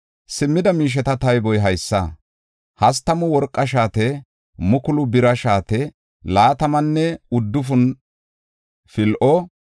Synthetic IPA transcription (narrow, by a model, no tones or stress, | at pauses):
sɪmːɪd̪ɐmiːʃ̬ɛt̪ɐt̪ɐjbɔjɦɐjsːɐ̰ | hɐs̬t̪ɐmʊwɔɾkʼːɐʃ̬aːt̪ɛ | mʊkʊlʊbɪɾɐʃaːt̪ɛ | laːt̪ɐmɐnːɛʊd̪ːʊfʊn | fɪlʔɔ